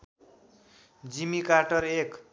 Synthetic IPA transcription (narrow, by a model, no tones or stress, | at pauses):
d͡zimikarʈʌrek